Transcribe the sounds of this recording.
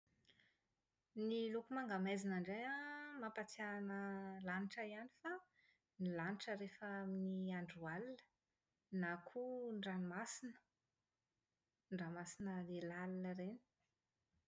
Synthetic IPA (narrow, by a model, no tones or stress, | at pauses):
nilukumaŋɡamezinaɳɖ͡ʐejamapat͡sianəlaniʈ͡ʂəianifa | nilaniʈ͡ʂəɾefəaminiaɳɖ͡ʐualinə̥ | nakʰuɳɖ͡ʐanmasinə̥ | ɳɖ͡ʐamasinəlelalinəɾeni̥